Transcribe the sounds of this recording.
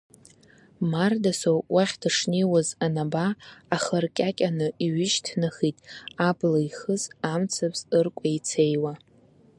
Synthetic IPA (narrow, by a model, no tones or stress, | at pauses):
mardasowwaχʲdʰaʂniwazanabaːχərkʲʼakʲʼanɨiɥɪʃtʰnaχitʼablaiχəzamt͡sʰapʰzɨrkʷʼajt͡sʰe̞jwa